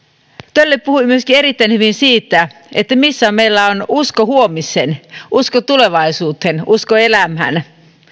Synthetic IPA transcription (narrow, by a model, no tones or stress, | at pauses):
t̪ølːeppuhuimyøskieɾit̪ːæinhyʋinsiːt̪ːæ | et̪ːæmisːæːmeilːæonuskohuomisenʔuskot̪uleʋɑisuːt̪enʔuskoelæmɦæ̰n